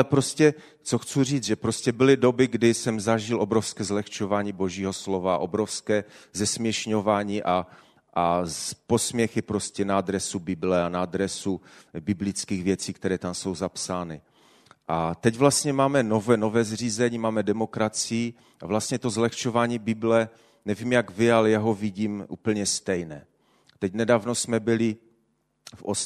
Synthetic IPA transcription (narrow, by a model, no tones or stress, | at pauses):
lɛpɾoscɛ | t͡soxt͡sur̝iːd͡zʒɛpɾoscɛbɪlɪdobɪɡdɪsɛmzaʒɪlʔo̞bɾofskɛːzlɛxt͡ʃovaːɲiːbo̞ʒiːɦo̞slovaʔo̞bɾofskɛːzɛsmjɛʃɲovaːɲiːʔa | ʔapo̞smjɛxɪpɾo̞scɛnaad̪ɾɛsubɪblɛanad̪ɾɛsubɪblɪt͡skiːɣvjɛt͡siːk̚t̪ɛɾɛːt̪amso̞wzapsaːnɪ | ʔat̪ɛɟvlast̪ɲɛmaːmɛnovɛno̞vɛːzr̝iːzɛɲiːmaːmɛdɛmo̞kɾat͡sɪji | ʔavlast̪ɲɛt̪o̞zlɛxt͡ʃovaːɲiːbɪblɛ | nɛviːmjaɡvɪalɛjaɦo̞viɟiːmʔṵːpl̩ɲɛst̪ɛjnɛː | t̪ɛcnɛdaːvnosmɛbɪlɪ | fʔos